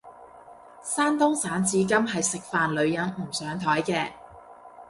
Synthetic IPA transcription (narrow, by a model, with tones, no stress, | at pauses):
saː˥nt̪ʊ˥ŋsaː˨˥nt͡siː˨˧˥k̬ɐ˥mɦɐ˨jsɪ˨k̚faː˨nlɵ˨˧ɥjɐ˨˥nm̩˨˩sœː˨˥ŋt̪ʰɔː˨˥jkɛː˧